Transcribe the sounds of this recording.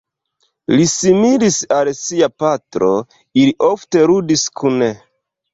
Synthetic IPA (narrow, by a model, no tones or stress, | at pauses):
lisimilisalsiapatɾo̞ | iliʔo̞fte̞ɾudiskʰune